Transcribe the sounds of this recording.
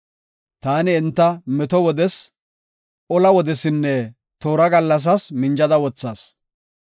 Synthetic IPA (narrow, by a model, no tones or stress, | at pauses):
t̪aːnɪːnt̪ːɐmɛt̪ɔwɔd̪ɛs | ɔlɐwɔd̪ɛsɪnːɛ | t̪oːɾɐɡɐlːɐs̬ɐsmɪnd͡ʒɐd̪ɐwɔt͡sːaːs